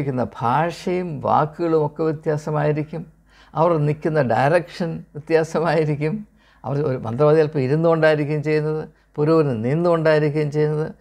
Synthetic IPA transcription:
kʲːunːɐbʱaːʂɐjumʋa̰ːkːɨɣɐɭumo̞kːe̞ʋjit̪jaːsɐmaːjiɾikʲːum | ɐʋɐrnikʲːunːɐɖɐjɾɐkʂɐnʋit̪jaːsɐmaːjiɾikʲːum | ɐ̰ʋɐroɾumɐ̰nd̪rɐʋɐːd̪ijalpːoiɾunːuɣoɳɖaːjiɾikʲːumt͡ɕe̞jːunːɐðɨ | puɾuːnɨninːuɣoɳɖaːjiɾikʲːuumt͡ɕe̞jːunːɐðɨ

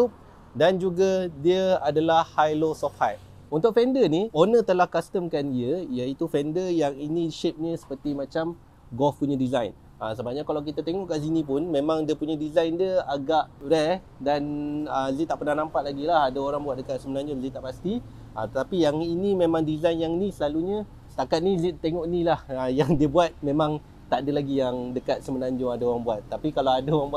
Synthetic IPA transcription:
up̚ | dand͡ʒuɡadiəadalahhajlosɔfhaj | unt̪ʊk̚fɛndənionət̪əlahkast̪əmkandiəijait̪ufɛndəjaŋinĩʃep̚ɲəsə̥pərt̪imãt͡ʃam | ɡɔfpuɲadizajn | asəbaʔɲakalawk̬it̪at̪eŋɔʔkaʔzinĩpʊnmẽmãŋdiəpuɲadizajndiəaɡaʔɾɛ | danəzit̪aʔpənahnampaʔlaɡilahadaoɾaŋbuat̪̚dəkat̪̚səmənaɲd͡ʒʊnzit̪aʔpast̪i | ʔət̪ət̪apijaŋinimemãŋdizajnjaŋnisəlaluɲə | sə̥t̪akat̪̚nizit̪eŋɔʔnilahəjaŋdiəbuat̪̚mẽmãŋ | t̪aʔdəlaɡijaŋdəkat̪̚səmənaɲd͡ʒʊŋadaoɾaŋbuat̪ːapikalawadaoɾaŋbua

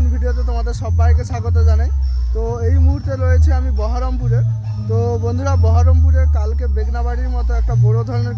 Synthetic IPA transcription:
nbʱiɖijot̪et̪omad̪eɾsɔpajkesaɡɔt̪̬ɔd͡ʒanajt̪oeɦjmuɦuɾt̪eɾojet͡ʃʰiamibɔɦɔɾɔmpuɾe | t̪obond̪ʱuɾabɔɦɔɾɔmpuɾekalkebeɡnabaɽimɔt̪ɔek̚ʈapuɾod̪ʱɔɾɔn

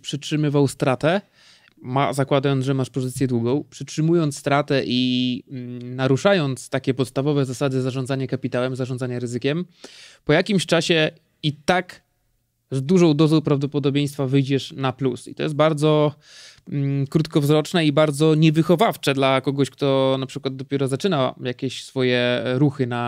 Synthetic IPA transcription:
pʂɘtʂɘmɘvawst̪ɾat̪ɛ | mazakwad̪ajɔnt̪ʐɛmaʂpɔzɘt̪sʲjɛd̪wuɡɔ̃w̃pʂɘtʂɘmujɔnt̪st̪ɾat̪ɛʔi | naɾuʂajɔnt̪st̪akʲɛpɔt̪st̪avɔvɛzasad̪ɘzaʐɔ̃nd̪zaɲakapʲit̪awɛmzaʐɔnd̪zaɲaɾɘzɘkʲɛm | pɔjakʲimɕt͡ʂaɕɛ | it̪ak | zd̪uʐɔ̃w̃d̪ɔzɔ̃w̃pɾavd̪ɔpɔd̪ɔbʲej̃st̪favɘjd͡ʑɛʂnaplusḭt̪ɔjɛs̬baɾd̪zɔ | kɾut̪kɔvzɾɔt͡ʂnɛibaɾd̪zɔɲɛvɘxɔvaft͡ʂɛd̪lakɔɡɔɕkt̪ɔnapʂɘkwad̪ːɔpʲjɛɾɔzat͡ʂɘnajakʲɛɕsfɔjɛɾuxɘna

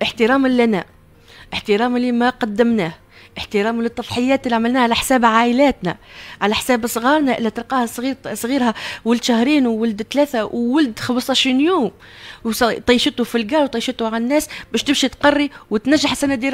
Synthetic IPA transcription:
ʔəħt̪əɾɑːmlːænæ | ʔɪħt̪əɾɑːmɪlːimæqɑd̪ːɪmnæːh | ʔɪħt̪əɾɑːmlɨt̪ˤːɑfˤħɪjːæːt̪ɪlːiʕamɪlnæːhʕalæħsæːbʕaːʔɪlæːt̪næ̰ʕalæħsæːbsˤɣɑːɾˤnæʔɪlːæt̪əlqɑːhæsisˤɣiːɾhæwʊld̪ʃæhɾiːnwwʊld̪t̪læːθæwːʊld̪xɑbsˤɑʃinjuːm | wst̪ˤɑjʃɪt̪ʊfilɡɑːɾˤwt̪ˤɑjʃɪt̪ʊʕalnːæːsbæːʃt̪ɪbʃit̪qɑrˤːiwɪt̪næʒːaħsænæd̪iːɾ

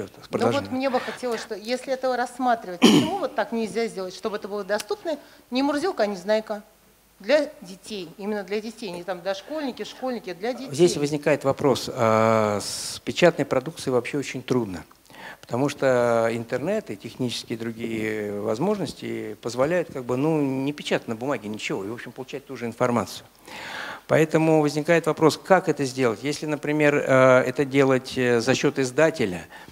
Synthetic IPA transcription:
pɾəd̪ˠʒvot̪mnʲebɨxɐtʲelˠəsʲʂt̪ojesʲlʲɪɛt̪əvəɾɐsːmat̪ɾʲɪvətʲɪmuvot̪ːaknʲɪlʲzʲazʲdʲe̞lˠətʲʂt̪o̞bɛt̪əbɨlˠəd̪ɐst̪upnənʲɪmʊrzʲilˠkəɐnʲɪznajkə | d̪lʲɐdʲɪtʲejimʲɪnːəd̪lʲɐdʲɪtʲejnʲɪt̪amd̪lʲɐʂko̞lʲnʲɪkʲɪʂko̞lʲnʲɪkʲɪd̪lʲɐdʲzʲdʲessʲvəzʲnʲɪkajɪt̪vɐpɾo̞səspʲɪt͡ɕat̪nəjpɾɐd̪uk̚t̪sɨjvɐpɕːeot͡ɕɪnʲt̪ɾud̪nə | pə̥t̪ɐmuʂt̪əɪnt̪ɨrnɛt̪ɨtʲɪxnʲit͡ɕɪ̥skʲɪjəd̪ɾʊɡʲijəvɐ̰zmo̞ʐnəsʲtʲɪ̰pəzvɐlʲæjʊt̪̚kaɡ̚bɨnunʲɪpʲɪt͡ɕat̪ənəbʊmaɡʲɪnʲɪt͡ɕɪvo̞ɪvo̞pɕʲɪmpəlˠʊt͡ɕæt̚ʲt̪uʐɨɪnfɐrma̰t̪sɨjʊ | pɐɛt̪əmʊvəzʲnʲɪkajɪt̪vɐpɾo̞skakɛt̪əzʲdʲe̞lˠətʲjesʲlʲɪnəpɾʲɪmʲe̞rəɛt̪ədʲe̞lˠətʲzɐɕːo̞t̪ɨzd̪atʲɪlʲə̰

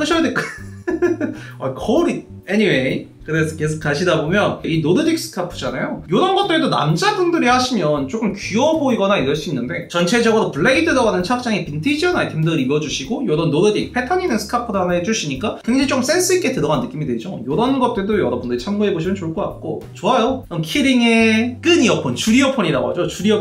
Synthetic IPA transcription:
kʰɯɕʰʌjadek | akʰoɾi | eniwe | kɯɾe̞sʰʌkes̬ʰok͈ːaɕʰidabomjʌninoɾɯdik̚s͈ʰɯ̥kʰapʰɯ̥d͡ʑanajojoɾʌnɡʌt͈̚edona̰md͡ʑabundɯɾihaɕʰimjʌnt͡ɕ͈ok͈ɯmkiʌboiɡʌnaiɾʌɭɕ͈uinːɯnde̞t͡ɕʌnt͡ɕʰe̞d͡ʑʌɡɯɾopɯɭːe̞idɯɾʌɡanɯnt͡ɕʰak̚t͡ɕ͈aŋipintʰid͡ʑiʌnaitʰemdɯɾibʌd͡ʑuɕʰiɡojoɾʌnːoɾɯdik̚pʰe̞tʰʌɲinɯnsʰɯ̥kʰapʰɯdaned͡ʑuɕʰiɲik͈akweŋd͡ʑait͡ɕok͈ɯms͈e̞ns͈ʰɯik͈e̞tɯɾʌɡanːɯk͈imidwe̞d͡ʑo̰jʌɾʌnɡʌt̚t͈ɯdojʌɾʌbundɯɾit͡ɕʰamɡoɦe̞boɕʰimjʌnt͡ɕoɭk͈ʰok͈ak̚k͈ot͡ɕoajoʌmkʰiɾiŋe̞k͈ɯɲiʌpʰʌnt͡ɕuɾiʌpʰʌɲiɾaɡo̰a̰d͡ʑot͡ɕuɾiʌ

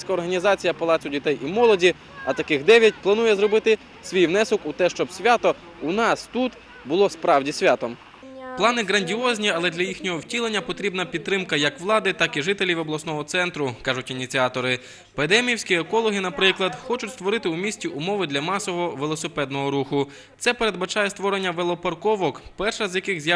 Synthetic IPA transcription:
sʲkɐɔrɦɐnʲizɑt͡sʲijɐpɐlˠɑsʲʊdʲit̪ɛjʔimɔlˠɔdʲi | ɐt̪ɐkɪxd̪ɛʋʲjɐt̚ʲplˠɐnujɛzrɔbɪt̪ɪ | sʲʋʲijʋnɛsɔkʊt̪ɛʃt͡ʃɔbsʲʋʲat̪ɔ | ʊnɑst̪ut̪ | bʊlˠɔspɾɑwdʲisʲʋʲat̪ɔm | plˠɑnɪɦɣɾɐnʲdʲiɔzʲnʲiɐlˠɛd̪lʲɐjixnʲɔɦɔwtʲilˠe̞nʲːɐpɔt̪ɾʲibnɐpʲid̪̚t̪ːɾɪmkɐjɐkʋlˠɑd̪ɪt̪ɑkiʒɪt̪elʲiwɔblˠɐsnɔɦɔt̪sɛnt̪ɾʊkɑʒʊtʲinʲit͡sʲiɑt̪ɔɾɪ | ped̪ɛmʲiwsʲkʲiekɔlˠɔɦɪnɐpɾɪklˠɐd̪xɔt͡ʃʊtʲst̪ʋɔɾɪt̪ɪumʲisʲtʲiʔʊmɔʋɪd̪lʲɐmɑsɔɦɔʋelˠɔsepɛd̪nɔɦɔɾuxʊ | t̪sɛpeɾed̪bɐt͡ʃɑjɛst̪ʋɔɾe̞nʲːɐʋelˠɔpɐrkɔʋɔkpɛrʃɐzʲjɐkɪɣzʲj

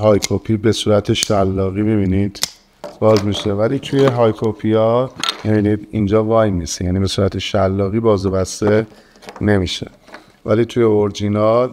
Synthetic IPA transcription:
ɦɒːjkʰopʰibe̞suːɾæt̪ʰeʃælːɒːɣiːmibiːnid̪̥ | b̥ɒːzmiːʃe̞væliːt̪ʰuje̞ɦɒːjkʰopʰijɒmibiːnid̪ind͡ʒɒːvɒjmisejæːniːbe̞suːɾæt̪ʰeʃælːɒːɣiːbɒːzebæst̪e̞ | ne̞miːʃḛ | væliːt̪ʰuje̞oɾd͡ʒinɒl

